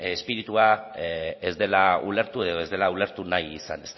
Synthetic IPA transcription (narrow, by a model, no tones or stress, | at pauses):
espiɾit̪ua | ezd̪e̞laṵle̞ɾt̪ue̞ð̞oe̞zðe̞laule̞ɾt̪unajisa̰ne̞st̪